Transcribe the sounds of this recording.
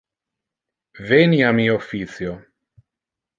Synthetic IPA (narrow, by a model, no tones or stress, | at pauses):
veniamiofit̪sjo